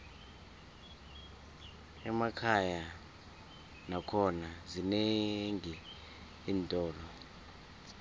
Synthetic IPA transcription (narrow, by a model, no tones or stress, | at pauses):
ɛmakʰaja | nakʰɔnazineŋi | iːntʼɔːlɔ